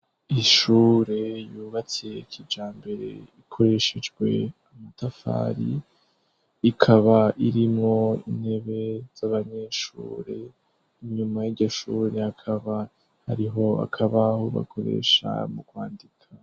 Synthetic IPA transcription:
iʃuːɾe̞juːβat͡sijekʰid͡ʒaːmbe̞ɾe̞̰ikʰo̞ɾe̞ʃed͡ʒɡwe̞amatafa̰ːɾi | kʰaβaʔiɾimŋo̞ḭn̥he̞βe̞z̥aβaɲe̞ʃṵːɾe̞ | iɲumajiɟoʃuɾe̞akʰaβa | haɾiɦo̞a̰kʰaβahoβa̰kʰo̞ɾe̞̰ʃa̰mukwaːndikʰa

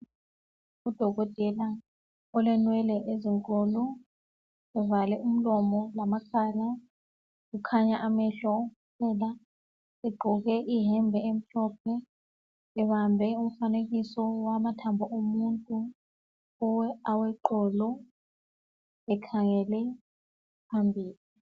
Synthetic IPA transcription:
ud̥ʱɔɣɔtʼɛla | ɔlɛnwɛlɛʔeziŋkʼɔlɔ | ɛvalɛʔum̩lɔmɔlamakʰala | ɣukʰaɲaʔamɛɬɔkupʰɛla | ɛɡ͡ǃʱɔɣɛʔiɦɛmbʱɛem̩ɬɔp̚ʰɛ | ɛβambʱɛum̩faneɣisɔwamatʰambʱɔʔomuntʼu | ɔwɛawɛǃɔːlɔ | ɛkʰaŋɛlɛ | pʰambʱiːli

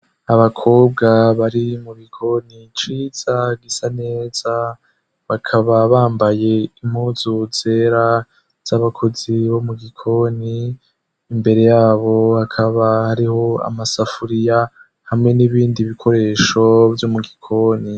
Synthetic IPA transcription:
aβakʰo̞ːb̚ɡaβaɾimuɡikʰo̞nit͡ʃiːz̥aɡisane̞ːz̥a | βakʰaβaβaːmbaje̞imhuzuz̥e̞ɾa | z̥aβakʰo̞ziβo̞muɡikʰo̞niː | mbe̞ɾe̞jaːβo̞hakʰaβahaɾiho̞a̰masafuɾija | hamŋe̞niβiːndiβikʰo̞ɾe̞ːʃo̞vjomuɡikʰo̞ːni

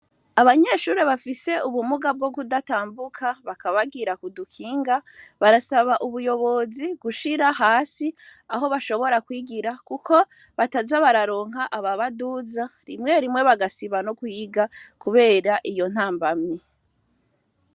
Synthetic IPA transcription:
aβaɲe̞ʃuːɾeβafise̞uβumuɡab̚ɡo̞bɡudataːmbukʰaβakaβaɡiɾakudukʰiːŋɡaβaɾasaβaʔuβujo̞βo̞ziɡuʃiɾahaːsiaɦo̞βaʃo̞βo̞ɾakwiːɡiɾakukʰo̞ | βatazaβaɾaɾo̞ːŋ̥ɦaʔaβaβaduzaɾimŋe̞ɾimŋe̞βaɡasiβanokuiɡakuβe̞ːɾaʔijo̞n̥aːmbamɲe

